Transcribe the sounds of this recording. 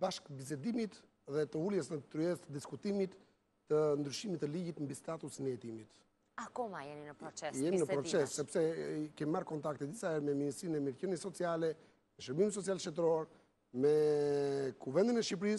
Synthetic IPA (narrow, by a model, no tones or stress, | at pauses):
baʃkbiz̬ɛd̪imit̪ | ðɛt̪əuljɛsnət̪ɾyɛst̪əd̪iskut̪imit̪ː | ənd̪ɾyʃimit̪əliɟit̪mbist̪at̪usnəjɛt̪imit̪ | akɔmajɛninəpɾɔt͡sɛsjɛminəpɾɔsɛssɛpsɛkɛmimaɾkɔnt̪ak̚t̪ɛd̪isaɛɾmɛminist̪ɾinɛmiɾcənisɔt͡sialɛ | mɛʃəɾbimis̬ɔt͡sialʃt̪ɛt̪ɾɔɾ | mɛ | kuvɛnd̪inɛʃip̬ɾis